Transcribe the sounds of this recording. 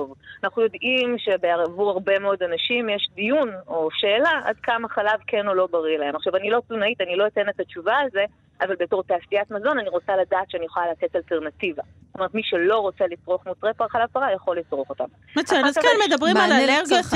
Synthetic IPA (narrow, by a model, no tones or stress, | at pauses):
tovanaχujo̞dimʃe̞be̞aʁvuʁaʁbe̞meo̞d̪anaʃimjeʃdijuno̞ʃeːlaʔa̰d̪kamaχalavkʰe̞nolo̞baʁilae̞maχʃavanilotunaitanilo̞ite̞netat͡ʃuvaalze̞ | ʔavalbe̞to̞ʁtaːsijatmazo̞naniʁo̞t͡saladaːtʃeanijeχolalat̪e̞talte̞ʁnativastomeetmiʃe̞lo̞ʁo̞t͡selit͡sʁo̞χmut͡sʁepaʁχalafaʁajaχo̞lit͡sʁo̞χo̞ta̰m | mesujezakenmedɐbʁimaleʁɡia